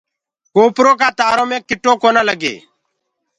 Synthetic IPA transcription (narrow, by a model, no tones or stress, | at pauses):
koːpɾoːkaːt̪aːɾõːmẽːkɪʈoːkoːnaːləɡḛː